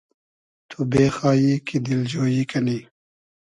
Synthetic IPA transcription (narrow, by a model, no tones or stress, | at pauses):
t̪ʰubeːxaːjikid̪ild͡ʑoːjikɐni